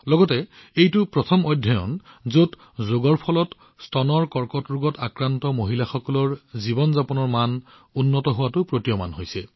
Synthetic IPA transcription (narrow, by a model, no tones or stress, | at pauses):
lɔɡɔtɛejtʊpɹɔtʰɔmɔjdʱːɔjɔ̰nzot | zoɡɔɹpʰɔlɔt | stʰɔnɔɹkɔɹkɔtɹʊɡɔtakɹantɔmoɦilaxɔkɔlɔɹzibɔnzapɔnɔɹman | unːɔtɔɦʊwatʊpɹotijɔma̰nɦojsɛ